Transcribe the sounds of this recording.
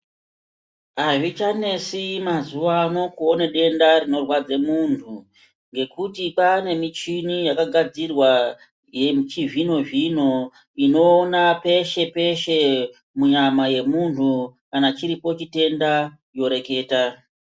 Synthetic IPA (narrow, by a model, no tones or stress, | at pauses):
aʐit͡ʃane̞simazuʋano̞kuo̞neɗe̞ndarino̞rwad͡zemuntʰu | ŋɡe̞kutipane̞mit͡ʃinijakaɡʱad͡zirwa | jet͡ʃiʐino̞ʐino̞ | ino̞ːnape̞ʃe̞pe̞ʃe̞ | muɲamaje̞muntʰukanat͡ʃiɾipo̞t͡ʃite̞nda | jo̞ɾe̞ke̞ːta